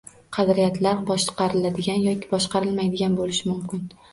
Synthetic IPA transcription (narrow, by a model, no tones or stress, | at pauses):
qʰɑd̪ɾɪjat̪ʰlaɾbɒʃqɑɾɪlad̪ɪɡʲanjɒkʲʰɪ̥bɒʃqɑɾɪlmajd̪ɪɡʲanbolɪʃɪmʊmkʲɪn